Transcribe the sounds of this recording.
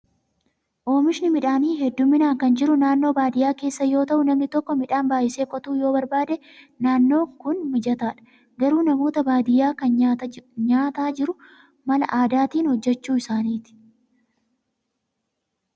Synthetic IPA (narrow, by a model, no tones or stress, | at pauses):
ʔo̞ːmɪʃnɪmɪᶑaːniːɦɛd̪ːʊmːɪnaːŋkɐnd͡ʒɪɾʊnaːnːo̞ːbaːd̪ɪjaːke̞ːsːɐjo̞ːt̪ɐʔʊnɐmnɪt̪ɔkːɔmɪᶑaːnbaːʔɪse̞ːkʼɔt̪uːjo̞ːbɐɾbaːd̪ɛ | naːnːo̞ːkʊnmɪd͡ʒɐt̪aːᶑɐ̥ | ɡɐɾuːnɐmo̞ːt̪ɐbaːd̪ɪjːaːkɐnɲaːt̪aːd͡ʒɪɾʊ | mɐlɐ̰ʔaːd̪aːt̪iːnhɔd͡ʒːɛt͡ʃːuːɪsaːniːt̪ɪ̥